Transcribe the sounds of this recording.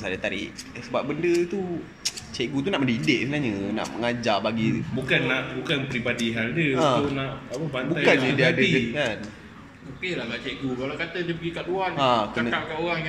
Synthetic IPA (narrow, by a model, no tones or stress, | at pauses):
sadat̪aɾɪ̰ʔsəbap̚bəndət̪u | t͡ʃɛʔɡut̪̬unaʔmə̃ndidɪʔ̚sənaɲəna̰ʔməŋad͡ʒabaɡibukanːaʔbukanpɾibadiɦaldəãunaʔapəbanbuajkanədiadikan | okelahkaʔt͡ʃɛʔɡukalakat̪ədəpəɡikaʔluaŋakənəaʔkaʔoɣaŋj